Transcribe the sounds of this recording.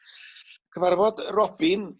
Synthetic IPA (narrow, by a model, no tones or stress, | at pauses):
kʰəvarvɔdrɔbɪn